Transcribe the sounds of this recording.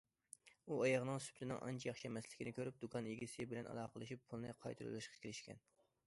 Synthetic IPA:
uɑjɑʁnɨŋsy̥pʰlɪnɪ̰ŋʔɑ̰nt͡ʃʰɛjɑχʃɛmɛslɪ̥kʲinɪkʲʰøɾyp̚d̪ukʰɑnjeɡʲisɪbɪlɛnʔɑ̰lˠɑːqəlˠɨʃipʰːulˠnɨqʰɑjt̪ʰɨɾṵlˠɨʃqʰɑ̥kʲʰeɾɪʃkʲʰɛ̰n

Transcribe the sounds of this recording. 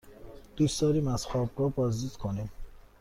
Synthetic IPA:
d̪̥usd̪ɒːɾimæsxɔːbɾɔːbɒzd̪id̪̥kʰonim

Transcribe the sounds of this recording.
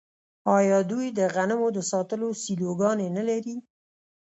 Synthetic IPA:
ɑjɑd̪ujd̪əɣanəmod̪əsɑt̪əlosiloɡɑnenəlaɾi

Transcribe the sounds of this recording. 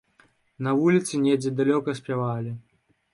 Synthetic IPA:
nɐvulʲit̪sɨnʲɛd͡zʲɛd̪alʲɔkɐsʲpʲavalʲi

